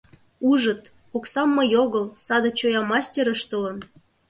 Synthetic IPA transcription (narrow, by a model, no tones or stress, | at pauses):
uʒə̆t̪ | oksɑmːɤ̆joɣə̆lsɑd̪ɤ̆t͡ɕojɑmɑsʲtʲeɾə̆ʃt̪ə̆lə̆n